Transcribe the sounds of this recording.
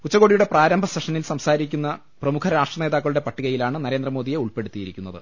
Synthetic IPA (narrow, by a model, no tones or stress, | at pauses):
ut͡ɕːɐɣo̞ːɽijuɽe̞praːɾɐmbʱɐseʂɐnilsɐmsaːɾikʲːunːɐ | prɐmukʰɐɾaːʂʈrɐneːðaːkːɐɭuɽe̞pɐʈːiɣɐjilaːɳɨnɐɾe̞ːnd̪rɐmo̞ːðije̞uɭpe̞ɽut̪ːijiɾikʲːunːɐðɨ̰